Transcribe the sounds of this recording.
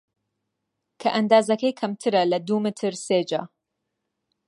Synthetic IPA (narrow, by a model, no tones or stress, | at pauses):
kʰɐʔɐnd̪aːzɐkɐjkʰɐmt̪ʰɨɾɐlɐd̪umɨt̪ʰɨɾseːd͡ʒa̰ː